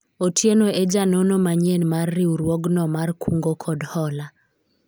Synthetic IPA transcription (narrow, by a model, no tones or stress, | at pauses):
otʰjenoed͡ʒanonomaɲenmarːiuɾwɔɡnɔmarkʰuŋɡokʰɔdhɔla